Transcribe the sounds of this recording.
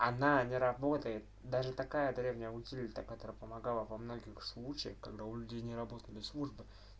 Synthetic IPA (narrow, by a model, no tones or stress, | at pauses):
ɐnanʲɪɾɐbo̞t̪əjɪt̪̚d̪aʐɨt̪ɐkajəd̪ɾʲevnʲɪjəʊsʲilʲt̪əkɐt̪o̞ɾəjəpəmɐɡalˠəvɐmno̞ɡʲɪxslˠut͡ɕɪjə̰xkɐɡd̪aʊlʲʉdʲejnʲɪɾɐbo̞t̪əlʲɪslˠuʐbɨ